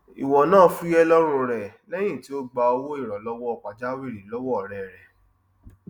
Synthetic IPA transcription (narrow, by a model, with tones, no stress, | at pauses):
ḭ˨wɔ˨nãː˦˨˦fu˦jɛ˦lɔ˦ɾ̃ũ˧ɾɛ˨lɛ˦j̃ĩ˦˨ti˨˦o˦ɡ͡ba˧o˧wo˦i˦˨ɾɔ˨lɔ˦wɔ˦ɔ˨k͡pa˨d͡ʒa˦wi˦˨ɾi˨˦lɔ˦wɔ˦ɔ˨ɾɛ˨ɾɛ˨